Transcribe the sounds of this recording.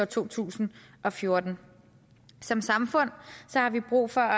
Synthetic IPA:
ɒt͡sʰo̝̰ːt͡sʰṵːsn̩ʔɒ̽fjo̝ɐd̥n̩ | sɒ̽msɑ̈mfɔ̽n̰sɒ̽hɑ̈ʋib̥ʁṵːfɒ̽æ

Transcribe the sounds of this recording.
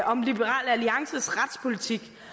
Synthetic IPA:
ʔɒ̽mlib̥əʁɑ̰̈ːlæliɑ̈ŋsəsʁɑd̥spʰo̝lit͡sʰiɡ̥

